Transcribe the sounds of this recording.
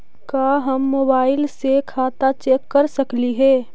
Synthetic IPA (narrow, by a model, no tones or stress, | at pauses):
kaːɦɐmːoːbaːɪlsekʰaːt̪at͡ʃeːkːɐɾsɐkliɦɛː